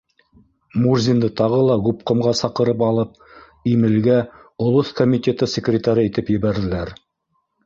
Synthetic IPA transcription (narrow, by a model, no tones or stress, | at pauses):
murzʲind̪ɤt̪ɑʁɤlˠɑɡup̚qŏmʁɑsɑqɤ̆ɾɤpɑlˠɤp̚ | imɘ̆lɡæ | ŏlˠoθkomʲit̪ʲe̞t̪ɤsʲɪkrʲɪt̪aɾɤit̪ɘpjɘ̆βæɾðɘ̆læɾ